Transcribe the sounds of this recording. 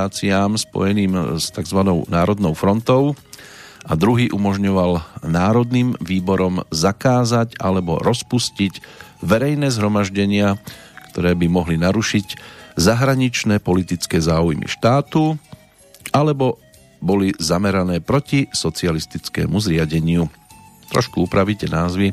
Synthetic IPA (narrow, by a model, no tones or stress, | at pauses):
aːt͡siaːmspɔ̰jɛniːmst̪aɡzʋanɔʊnaːɾɔd̪nɔʊfɾɔnt̪ɔʊ | ad̪ɾuɦiːʔumɔʒɲɔʋalnaːɾɔd̪nimʋiːbɔɾɔmzakaːzaɟa̰lɛbɔ̰ɾɔspusciɟʋɛɾɛjnɛːzɦɾɔmaʒɟɛɲɪa | kt̪ɔɾɛːbimɔɦlinaɾuʃiɟzaɦɾaɲit͡ʃnɛːpɔlit̪it͡skɛːzaːujmḭʃt̪aːt̪u | alɛbɔ | bɔlizamɛɾanɛːpɾɔcisɔt͡sialist̪it͡skɛ̰ːmuzɾɪaɟɛɲɪut̪ɾɔ̰ʃkuupɾaʋicɛnaːzʋi